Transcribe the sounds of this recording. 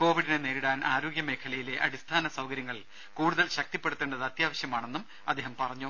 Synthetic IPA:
ko̞ːʋiɽineneːɾiɽaːnʔaːɾo̞ːɡjɐme̞ːkʰɐlɐjile̞ʔɐ̰ɽist̪ʰaːnɐsɐwkɐɾjɐŋːɐɭ | kuːɽuðɐlɕɐk̚t̪ipːe̞ɽut̪ːe̞ːɳɖɐðɨɐt̪jaːʋɐɕjɐmaːɳe̞nːum | ɐd̪ːeːɦɐmpɐrɐɲːu

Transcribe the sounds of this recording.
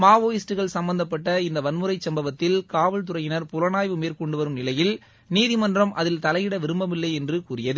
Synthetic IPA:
maːʋoːjɪsʈɯɣɐɭsɐmbɐnd̪ɐpːɐʈːɐɪnd̪ɐʋɐnmɯɾɐɪt͡ʃsɐmbɐʋɐt̪ːɪlkaːʋɐɭt̪ʊrɐjɪnɐɾpʊlɐnaːjʋɯmeːrkɔɳɖɯʋɐɾɯmnɪlɐjɪl | niːðɪmɐndrɐmʔɐðɪlt̪ɐlɐjɪɽɐʋɪɾɯmbɐmɪlːɐɪɛndrɯkuːrɪjɐðɯ

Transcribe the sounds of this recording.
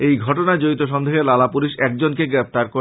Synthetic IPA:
ejɡʱɔʈonad͡ʑoit̪oʃɔnd̪eɦelalapuliʃɛk̚d͡ʑonkeɡɾept̪aɾko

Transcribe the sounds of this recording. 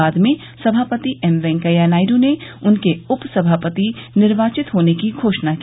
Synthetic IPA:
aːd̪mẽ | sɐbʱaːpət̪iʔɛmʋɛ̃ːŋkəjanaːɪɾõneʊnkeʊpsɐbʱaːpət̪inɪɾʋaːt͡ʃɪt̪ɦoːnekiɡʱoːʃnaki

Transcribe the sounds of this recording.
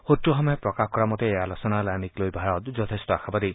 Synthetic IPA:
xotɹuxɔmɔjɔpɹɔkaxkɔɹamɔteːjalɔsɔnalajniklojbʱaɹɔtzɔtʰestɔaxʰabadi

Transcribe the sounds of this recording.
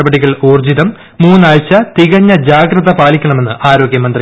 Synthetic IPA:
ɐbɐɽiɣɐɭuːrd͡ʑiðɐmː | uːnːaɭt͡ɕːɐt̪iɣɐɲːɐd͡ʑaːɡɾrɐðɐpaːlikʲːɐɳɐme̞nːɨʔaːɾo̞ːɡjɐmɐnd̪ri

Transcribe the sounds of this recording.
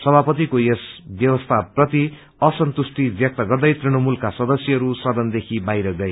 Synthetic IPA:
sʌbʱapʌt̪̬ikojesbjʌbʌst̪ʰaprʌt̪i | ʌsʌnt̪usʈibjʌk̚t̪ʌɡʌrd̪ʌjt̪riɽ̃ʌmulkasʌd̪ʌsjʌɦʌɾusʌd̪ʌnd̪ekʰibajɾʌɡʌe

